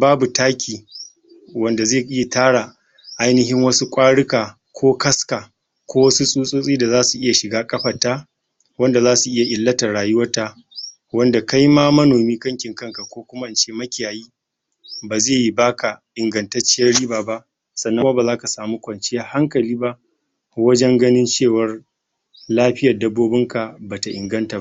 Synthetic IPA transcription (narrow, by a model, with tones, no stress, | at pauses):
baː˦bu˨taː˦kʲʰiː˨ | wɐ˨nda˨zeː˦˨ʔɪ˦ja˨taː˦ɽa˨ | ʔa˦jnɪ˦ɦɪ˦ŋwɐ˦su˦kʷʼaː˦ɽɪ˦kaː˨ | kʷʰoː˦kɐ˦skaː˨ | kʷoː˦wɐ˦su˦sʼuː˦sʼuː˦sʼiː˦da˨zaː˦su˨ʔɪ˦ja˨ʃɪ˨ɡaː˦kʼɐ˦ɸɐ˨taː˦ | wɐ˦nda˨zaː˦su˨ʔɪ˦ja˨ʔɪ˨lːɐ˦tɐ˨ɽaː˨jʊ˦wɐ˦rta˦ | wɐ˦nda˨ka˦jmaː˦mɐ˦noː˨miː˦kɐ˦ŋkʲɪ˨ŋkɐ˦ŋka˨kʷoː˦kʷʊ˦ma˦ʔɪ˨nt͡ʃeː˦mɐ˦kʲɪ˨jaː˨jiː˦ | baː˨zeː˦˨ji˦baː˦kʰa˨ʔɪ˨ŋɡɐ˨ntɐ˦t͡ʃɪ˦jɐ˦rːiː˦baː˨ba˦ʔ | sɐ˨nːɐ˦ma˦baː˨zaː˦ka˨saː˨muː˦kʷɐ˨nt͡ʃɪ˦ja˦ha˦ŋkɐ˨liː˦ba˦ʔ | wɐ˦d͡ʒɛ˦ŋɡɐ˦nɪ˦nt͡ʃeː˦˨wɐ˦r | laː˦ɸɪ˦jɐ˨rdɐ˦bːoː˦bɪ˦ŋka˨baː˨ta˨ʔɪ̰˨ŋɡɐ˦nta˨˦